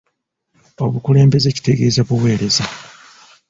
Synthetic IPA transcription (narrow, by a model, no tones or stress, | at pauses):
o̞βukule̞ːmbe̞ze̞ci̥te̞ɡe̞ːzaβuwe̞ːɾe̞za